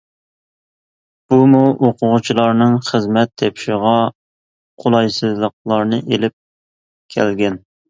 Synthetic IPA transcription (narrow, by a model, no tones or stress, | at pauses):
b̥umuʔoqʰʊʁʊt͡ʃʰilˠɑɾnɨŋχəzmɛt̪ʰːɛpʃɪʁɑ | qʰolˠɑjsɨzlˠəq̚lˠɑɾnɨʔelɪp̚ | kʲʰæ̰lɡʲɛn